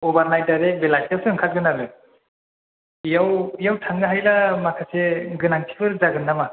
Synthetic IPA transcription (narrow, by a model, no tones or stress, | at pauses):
ɔbaɾnajdaɾebelajstasʰɯŋkʰat̚ɡɯnaɾɯ | ijawijawtʰaŋɡɯɦajlamakʰaseɡɯnaŋtʰi̥bʰɯɾzaɡɯnːama